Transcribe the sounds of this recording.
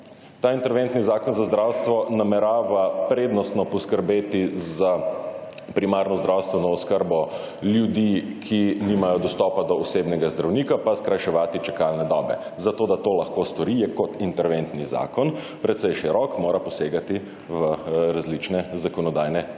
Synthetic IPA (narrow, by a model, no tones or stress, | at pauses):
t̪aːint̪ɛɾʋent̪nizaːkɔnzazd̪ɾawst̪ʋɔnamɛɾaːʋapɾeːd̪nɔst̪nɔpɔskəɾbeːt̪iza | pɾimaɾnɔzd̪ɾawst̪ʋɛnɔːskəɾbɔ | ljud̪ikʰiniːmajɔd̪ɔst̪ɔpad̪ɔːseːbnɛɡazd̪ɾawniːkapaskɾajʃɛʋaːt̪it͡ʃɛkalnɛd̪ɔːbɛ̰zat̪oːd̪at̪oːlaxkost̪ɔɾijɛkɔt̪int̪ɛɾʋent̪niza̰ːkɔn | pɾɛt̪sɛjʃɛɾɔkmoːɾapɔseːɡat̪i | ʋəɾazlit͡ʃnɛzakɔnɔd̪ajnɛ